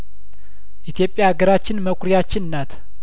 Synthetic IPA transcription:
ʔit̪ʰjo̞pʼːjaːɡəɾat͡ʃːɪnməkʷɾijat͡ʃːɪnnːat̪ʰ

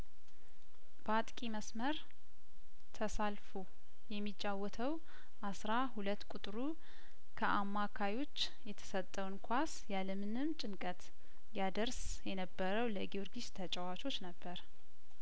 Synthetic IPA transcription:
bat̪ʼkʼiməsməɾ | t̪ʰəsalfu | jɛmːit͡ʃʼːawːɔt̪ʰəw | ʔasɾahulət̪ːkʼut̪ʼɾu | kʰəʔamːakʰajo̞t͡ʃː | jɛt̪ʰə̥sət̪ʼːəwnkʰʷasjaləmɨnɨmt͡ʃʼɪnkʼət̪ | jad̪əɾs | jɛnəbːəɾəwləɡioɾɡiʃt̪ʰət͡ʃʼɛwat͡ʃo̞t͡ʃːnəbːəɾ

